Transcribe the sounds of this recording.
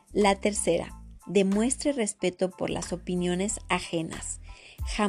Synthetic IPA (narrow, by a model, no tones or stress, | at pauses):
lat̪e̞ɾse̞ɾa̰ðe̞mwe̞st̪ɾere̞spe̞t̪o̞po̞̰ɾlʔa̰so̞pinjo̞ne̞saxe̞na̰sxa